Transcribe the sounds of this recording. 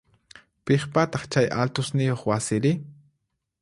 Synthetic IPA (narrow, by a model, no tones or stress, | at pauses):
peχpat̪ɑχt͡ʃajʔa̰lt̪ʊsnɪjoχwasɪɾɪ